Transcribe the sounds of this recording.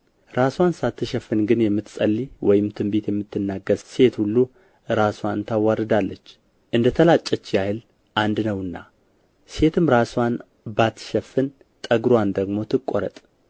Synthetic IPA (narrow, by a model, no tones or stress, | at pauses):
ɾaswansat̪ʰːɨʃɛfːɨnɡɨnjɛmːɨt̪sʼəlːiwɔjɪmt̪ʰɨmbet̪jɛmːɨt̪ːɨnːaɡəɾse̞t̪hulːu | ɾaswant̪ʰawaɾɨd̪alːət͡ʃː | ʔɨnd̪ət̪ʰəlat͡ʃʼːɛt͡ʃːjahɨl | ʔand̪nəwɨnːa̰ | se̞t̪ʰɨmɾaswan | bat̪ːʃɛfːɨn | t̪ʼəɡɾwand̪əɡmo̞t̪ʰɨkʼːoɾə̰t̪ʼ